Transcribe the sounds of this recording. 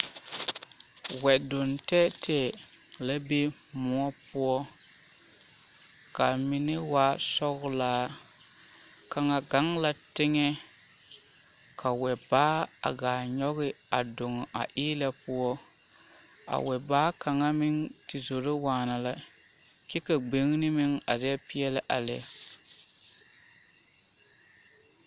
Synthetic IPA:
wɛ˨dʊ˨ntɛ˦tʰɛ˨ | la˦be˦mʊ˨˦ɔ˦pʊ˦ɔ˦ | ka˨mi˨nɪ˦wa˨˦sɔ˦ɣʊ˦laː˨˦ | ka˨ŋa˨ɡa˨˦ŋla˨tɪ˦ŋɛ˦ | kʰa˨wɛ˨baː˦a̰˨ɡaː˨ɲɔ˦ɣɪ˦a˨dʊ˨ŋ˨ʔa̰˨ʔiː˦la˦pʊ˦ɔ˦ | a̰˨wɛ˨baː˦ka˨ŋa˦mɪ˦ŋtɪ˨zo˨ɾɪ˦waː˨˦na˨la˨ | kɛ˦ka˨ɡ͡be˨˦ŋ˦nɪ˦mɪ˦ŋa˨dɛ˦pɪ˦jɛ˦lɪ˦ʔa˨lɛ̰˨˦

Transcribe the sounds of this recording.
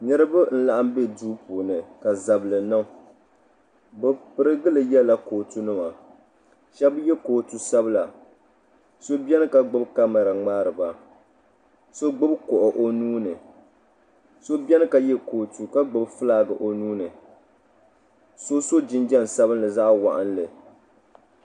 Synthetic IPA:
nɨ˦ɾɨ˦ba˦n̩˦la˨ʔa˦mbe˦duː˦poː˨nɨ˨ka˨za˨blɨ˨nɨ˦ŋ˦ | bɨ˨pɨ˨ɾɨ˦ɡɨ˦lɨ˨jɛ˦la˦koː˨tu˦nɨ˦ma˨ | ʃɛ˦bjɛ˦koː˨tu˨sa˦bɨ˦la˨ | so˦bjɛ˦nɨ˦ka˨ɡ͡bʊ˦bka˦ma˨ɾa˨ŋ͡maː˦ɾɨ˨ba˨ | so˦ɡ͡bʊ˦bkɔ˨ʔʊ˨ʔo˨nuː˦nɨ˨ | so˦bi˦ɛ˦nɨ˦ka˨jɛ˦koː˨tu˨ka˦ɡ͡bɨ˨bfɨ˦laː˦ɡɨ˨ʔo˨nuː˦nɨ˨ | so˦so˦d͡ʒɪ˦nd͡ʒɛ˦n˨sa˦βɨ˦n˦lɨ˨za˦ʔwa̰˨ʔa˦n˦lɨ˨

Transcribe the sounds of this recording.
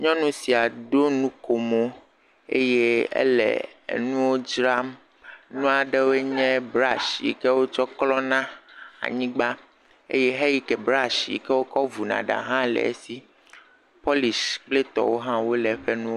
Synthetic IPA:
ɲɔ̃˦nũ˦si˨a˨ɖo˦nũ˦ko˨mo˦ | ḛ˦je˦ḛ˦lɛ̰˨nũ˦wo˦d͡ʒɾa˦m | nũ˦a˨ɖɛ˦wo˦e˦ɲɛ̃˦bɾa˦ʃḭ˨kɛ˦wo˦t͡ʃɔ˦klɔ˦nã˦a̰˨ɲĩ˦ɡ͡ba˦ | ḛ˦je˦ɦɛ˦ji˦kɛ˨bɾa˦ʃḭ˨kɛ˦wo˦kɔ˦vu˨nã̰˨ɖa̰˨ɦã˦lɛ̰˨ḛ˦si˦ | pɔ˦li˨sk͡ple˦t̪ɔ̰˨wo˦ɦã˦wo˦lɛ˨˦ɸɛ˦nũ˦o˦

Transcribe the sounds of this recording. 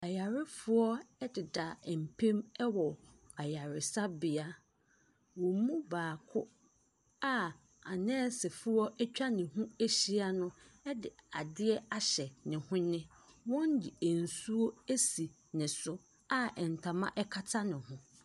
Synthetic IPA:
a˨ja˨ɾɪ˦fʊ˦ɔ˦ɛ˦dɪ˨da˨m̩˨pʰẽ˦mɛ˦wɔ˨ | a˨ja˨ɾɪ˨sa˦bɪ˨a˦ | wɔ̃˨˦mũ˦baː˨kʰʊ˦ | a˦ | a˨nɛ̃ː˦sɛ˨fʊ˦ɔ˦ɛ˦t͡ɕᶣa˦nɪ̃˨ɦũ˦e˦ɕi˦a˦nʊ̃˦ɛ˦dɪ˨a˨dɪ˦ɛ˦a˨ɕɛ˨nɪ̃˨hʊ̃˦nɪ̃˦ | wɔ̃˦n˦dɪ˨æ˨n̩˨su˦o˦e˦si˨ | nɪ̃˨sʊ˦ | a˦ɛ˨n̩˨tʰa˨mã̰˦ʔɛ˦kʰa˦tʰa˦nɪ̃˨hʊ̃˦

